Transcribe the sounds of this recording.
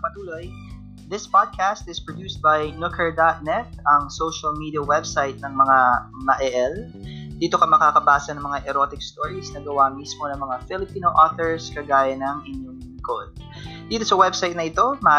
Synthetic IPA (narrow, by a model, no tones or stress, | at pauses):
pɐt̪uːlo̞j | ðɪspad̪̚kʰæst̪ɪspɹod̪juːst̪̚bɐjnʊkʰɛɹd̪at̪̚nɛt̪̚ʔɐŋsowʃɐlmiːd̪iɐwɛbsajt̪̚nɐŋmɐŋamɐʔɛʔɛl | d̪̥iːt̪o̞kɐmɐkakɐbaːsɐnɐŋmɐŋaʔɛɾot̪ɪk̚st̪oɹisnɐɡɐwamismonɐŋmɐŋafɪlɪpiːnoʔoθɛɹskɐɡaːjɐnɐŋɪɲjoŋlɪŋkod̪̚ | d̪iːt̪o̞sɐwɛbsajt̪nɐʔɪt̪o̞ma